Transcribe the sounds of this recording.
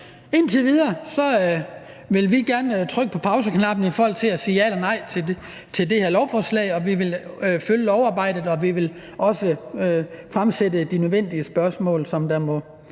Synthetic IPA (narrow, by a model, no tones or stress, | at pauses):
e̝n̰t͡sʰe̝ʋið̞ˠɐːsɒ̽ | ʋe̝lʋiɡ̥æɐnt͡sʰʁœɡ̥əpʰɒ̽pʰɑ̈ʊs̬əkʰnɑ̈b̥n̩ifɒːɦɒ̽l̰t͡sʰe̝læsiːælɐnɑ̈ɪ̰t͡sʰe | t͡sʰe̝ld̥e̝heɐ̰lɒʊfɒːslɛ̰ɪɒ̽ʋiʋe̝lføljəlɒʊɑ̈ːb̥ɑ̈ɪ̰d̥ð̩ˠɒ̽ʋiʋe̝l | ʔɒ̽sə | fʁamsedəd̥inøðˠʋen̰d̥iəsb̥ɶɐsmɔ̰̽ːlsɒ̽md̥æmɔ̽